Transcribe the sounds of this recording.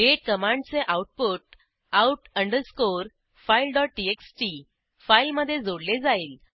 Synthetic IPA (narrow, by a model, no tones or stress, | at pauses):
ɖeʈ̚kəmãɳɖt͡seʔauʈ̚poʈ̚ | auʈəɳɖəɾskoɾ | failɖɔʈ̚ːʈieksʈi | failməd̪ʱːjed͡zoɽled͡zaiːl